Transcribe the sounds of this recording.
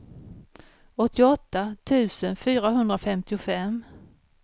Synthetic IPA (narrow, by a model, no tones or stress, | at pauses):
ɔt̪ːɪɔt̪ːat̪ʰʉ̟ːsənfyːɾaɦɵnd̪ɾafɛmt̪ɪʊfɛm